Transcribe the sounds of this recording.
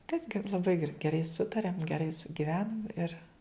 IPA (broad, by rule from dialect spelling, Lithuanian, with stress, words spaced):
tɐɪp ɡʲɛ lˠɐˈbɐɪ ɡʲɛr ɡʲɛˈrɐɪ ˈsʊtɐrʲɛm ɡʲɛˈrɐɪ sʊɡʲɪˈʋʲæːnɐm ɪr